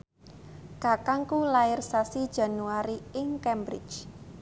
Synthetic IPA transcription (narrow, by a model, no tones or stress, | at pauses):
kakaŋkulaɪrsasid̥d͡ʒa̤nuaɾiɪŋkɛmbɾɪ̰t͡ʃ